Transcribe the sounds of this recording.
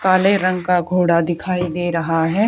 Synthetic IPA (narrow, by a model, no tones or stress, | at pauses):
kaːleɾɐ̃ŋɡkaɡʱoːɽad̪ɪkʰaːid̪eːɾɐɦaɦɛː